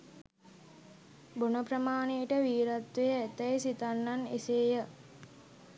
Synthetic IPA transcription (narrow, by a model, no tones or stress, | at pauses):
bonəpɾəmaːnejːʈəʋiːɾat̪ʋejəæt̪əjsit̪anːaneseːjə